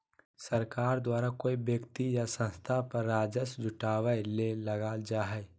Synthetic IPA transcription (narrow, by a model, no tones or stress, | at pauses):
səɾkaːɾd̪waːɾakoibjəkt̪ijasə̃nst̪ʰapəɾːaːd͡ʒəsd͡ʒʊʈawəɪleləɡaːld͡ʒaːɦɛɪ